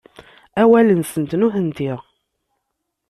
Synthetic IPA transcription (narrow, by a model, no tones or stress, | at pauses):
æwælənsənt̪nuhənt̪iʁ